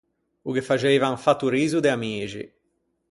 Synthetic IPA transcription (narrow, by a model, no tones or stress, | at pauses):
uk̟efːat͡ʃɛiːvaɱfat̪ːuɾiːzud̪eamiːt͡ʃḭ